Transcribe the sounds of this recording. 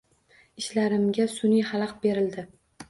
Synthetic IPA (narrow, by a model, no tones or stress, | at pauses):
ɪʃlaɾɪmɡʲasʊnijhalˠɑqbe̞ɾɪld̪ɪ